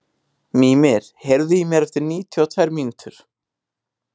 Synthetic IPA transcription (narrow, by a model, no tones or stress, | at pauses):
miːmɛɾ̥hɛɾðʏjimjɛɾɛft̪ɪɾniːt̪ʰjawt̪ʰvaːjɾmiːnuːt̪ʏɾ̥